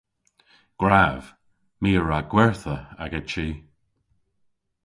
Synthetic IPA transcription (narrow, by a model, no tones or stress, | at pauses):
ɡ̥ɹav̥ | miːəɹaɡ̥wɛɹθəaɡət͡ʃiː